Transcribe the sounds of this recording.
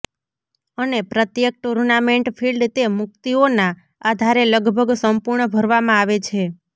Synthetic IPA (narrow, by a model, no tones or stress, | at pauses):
ənepɾət̪jek̚ʈuɾnameɳʈpʰilɖt̪emʊk̚t̪iona | ad̪ʱaɾeləɡbʱəɡsəmpuɾɳəbʱəɾʋamãaʋet͡ʃʰe